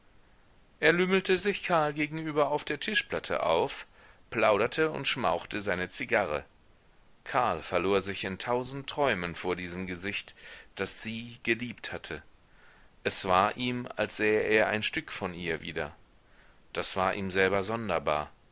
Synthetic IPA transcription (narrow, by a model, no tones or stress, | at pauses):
ʔeːɐlyml̩təzɪçkʰaɐlɡeːɡŋ̩yːbɐaʊfd̥eːɐtʰɪʃplatʰə̰ʔa̰ʊf | pl̥aʊɾɐtʰəʊ̰ntʃma̰ʊxtəzaɪnət͡siɡaʁə̰ | kʰaɐlfɛɐloːɐzɪçɪntʰaʊzn̩tʁ̥ɔʏmənfoːɐdiːzəmɡəzɪçtd̥asz̥iːɡ̥əliːpthatʰə | ʔɛsv̥aːɐʔiːma̰lsz̥ɛːəʔeːɐʔa̰ɪnʃtʏkfɔniːɐviːdɐ̰ | d̥asv̥aːɐʔiːmzɛlbɐzɔndɐba̰ːɐ